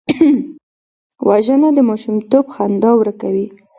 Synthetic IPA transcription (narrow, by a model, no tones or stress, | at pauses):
wʔaʒənad̪əmɑʃumt̪obxand̪ɑwɾakawi